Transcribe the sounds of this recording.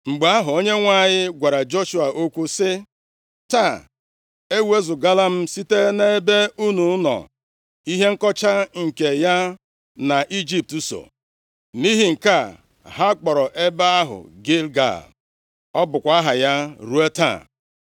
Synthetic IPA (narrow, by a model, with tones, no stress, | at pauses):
ŋ͡m̩˨ɡ͡ba˨˦a˦ɦʊ˨o˦ɲe˦ŋʷa˦˨ɲɪ˦ɡʷa˨ɾa˨d͡ʒo˦ʃu˦a˨ʔo˦kʷu˦sɪ˦ | ta˦˨ | e˦we˦zʊ˨ɡa˦la˦m̩˦si˦te˦ne˦be˦u˦nu˨˦nɔ̰˨ | i˦ɦe˦ŋ̩˦kɔ˦t͡ʃa˦ŋ̩˨ke˨ja˦ | na˨ʔi˦d͡ʒi˦p̚tu˦so̰˨ | ni˦ɦi˨ŋ̩˨ka˦˨ | ɦa˦k͡pɔ˨ɾɔ˨ʔe˦ba˦a˦ɦʊ̰˨ɡe˦lɡa̰˨l | ɔ˦bʊ˨kʷa˦ɦa˨ja˦ɾu˦e˦ta̰˦˨